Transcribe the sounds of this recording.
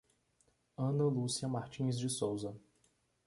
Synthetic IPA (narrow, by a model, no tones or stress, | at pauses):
ɐ̃nɐlusiɐmaɾt͡ʃĩzd͡ʒɪsowzɐ